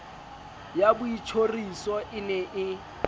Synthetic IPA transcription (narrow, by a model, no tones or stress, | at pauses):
jabʊit͡ʃʰorisɔʔɪnɛʔɪ